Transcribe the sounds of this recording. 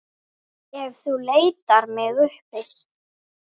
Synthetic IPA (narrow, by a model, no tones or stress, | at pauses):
ɛvθuleːjt̪aɾmɛðʏhpɪ